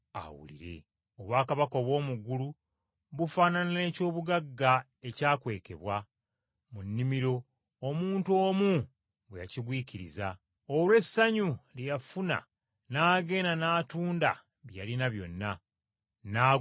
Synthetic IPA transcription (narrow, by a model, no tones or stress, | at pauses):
a̰wṵlḭɾe̞̰ | oβwaːkaβako̞βwo̞ːmuɡulu | βufaːnanane̞ːco̞ːβuɡaɡːa | e̞caːkwe̞ːke̞βwa | munːimiɾo̞ː | muːnto̞ːmu | βweja̰ciɡwiːciɾiza | olwe̞sːaɲulejafuna̰ | naːɡe̞ːnanaːtuːnda̰ | βjjalinaβjo̞nːa | naː